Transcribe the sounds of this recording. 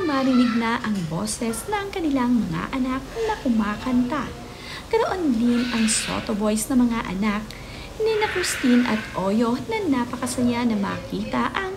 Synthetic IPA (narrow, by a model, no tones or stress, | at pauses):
maːɾɪnɪɡ̚nɐʔɐŋbo̞̰sɛsnɐŋkɐnɪlaŋmɐŋa̰ʔɐnak̚nɐkʊmaːkɐnt̪ɐ | kɐɾoʔo̞nd̪inɐŋso̰t̪obo̞jsnɐŋmɐŋaʔɐ̰nak̚ | nɪnɐkɾɪst̪inʔɐt̪ʔoːjo̞nɐnaːpɐkɐsɐjanɐma̰kiːt̪ɐʔɐŋ